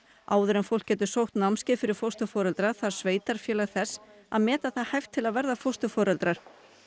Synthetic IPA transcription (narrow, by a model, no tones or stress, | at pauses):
aːwðʏɾɛmfowlkcːɛːt̪ʏsowht̪namscɪfɪɾɪɾ̥fowst̪ʏfɔːɾɛlt̪ɾaθaɾ̥sveːjt̪aɾ̥fjɛːlaɣθɛsː | a̰ðmɛːt̪aθaðhajft̪ʰːɪlaðvɛɾðafowst̪ʏfɔːɾɛlt̪ɾaɾ̥